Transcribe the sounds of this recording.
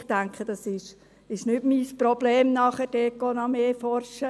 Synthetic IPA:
χtæŋkχəd̥ɑsɪʃ | ɪʃnʏtmiːsprob̥leːmnɑχɛd̥ɛːɡonɑmeːfɔrʃə

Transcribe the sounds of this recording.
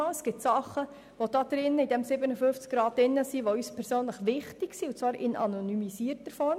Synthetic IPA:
ɑəsɡ̥ɪtsɑχə | ʋod̥ɑːd̪̥ɾɪnːəidɛmsɪbənəfʏnft͡skɡ̥ɾɑːd̚ɪnːəsiʋoyːspʰɛɾsøːnləχʋɪχtɪɡsiʊt͡svɑːɾɪ̰nɑ̰nɔnymisiːəɾtəɾfɔɾm

